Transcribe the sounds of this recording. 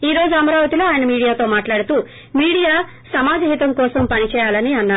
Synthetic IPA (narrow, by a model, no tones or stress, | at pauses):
iːɾo̞ːd͡ʒuɐmɐɾaːʋɐt̪iloːaːjɐnɐmiːɽijaːt̪oːmaːʈlaːɽut̪uː | miːɽijaː | sɐmaːd͡ʒɐɦit̪ɐmkɔːsɐmpɐnit͡ʃɛːjaːlɐniɐnːaː